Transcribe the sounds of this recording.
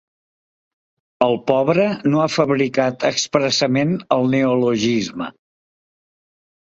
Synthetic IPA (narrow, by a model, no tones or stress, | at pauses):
əlˠpɔβɾənoafəβɾikat̪əkspɾəsəmenəlˠneuluʒizmə̰